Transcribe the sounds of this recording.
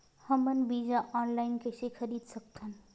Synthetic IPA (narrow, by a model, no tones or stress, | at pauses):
həmənbiːd͡ʑaʔɔːnlaːɪnkʰesekʰɐɾiːd̪sɐk̚t̪ʰən̆